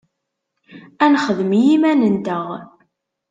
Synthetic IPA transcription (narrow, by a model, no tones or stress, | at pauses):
ænχəðəmjimænənd̪əʁ